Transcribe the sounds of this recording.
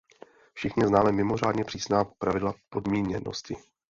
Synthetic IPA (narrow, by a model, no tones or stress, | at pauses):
fʃɪxɲɪznaːmɛmɪmo̞raːdɲɛpr̝̥iːsnaːpɾavɪdlapo̞dmiːɲɛno̰scɪ